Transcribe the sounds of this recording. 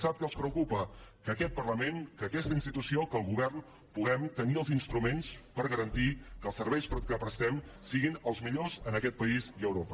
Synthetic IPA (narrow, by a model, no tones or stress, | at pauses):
sap̚kəlˠspɾəukupəkəːkɛt̪̚pərləmenkəkɛst̪əinst̪it̪usiokəlˠɣuβɛrn | puɣɛmt̪əniəlˠzinst̪ɾumenspəɾɣəɾənt̪ikəlˠsəɾβɛjspɾəkəpɾəst̪ɛmsiɣinəlˠzmiʎozənəkɛt̪̚pəiziəwɾopə